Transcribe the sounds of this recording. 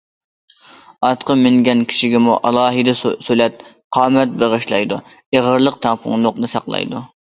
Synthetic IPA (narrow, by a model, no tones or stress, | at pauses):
ɑt̪qʰəmɪŋɡʲɛnkʲʰi̥ʃiɡʲɛmuʔɑlˠɑːɦɨd̪ɨsølɛt̪̚ | qʰɑːmɛt̪̚beʁəʃlˠɑ̰jd̪u | eʁəɾlˠəq̚t̪ʰɑŋpʰʊ̰ŋlˠʊqnɨsɑ̰qlˠɑ̰jd̪u